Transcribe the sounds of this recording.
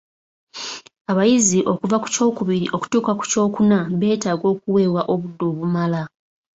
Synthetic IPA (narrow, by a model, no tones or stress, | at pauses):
aβajiziʔo̞kuvaku̥co̞ːkuβiɾiʔo̞ku̥tuːkaku̥co̞ːkunaβe̞ːtaːɡo̞ːkuwe̞ːwaʔo̞βudːoːβumala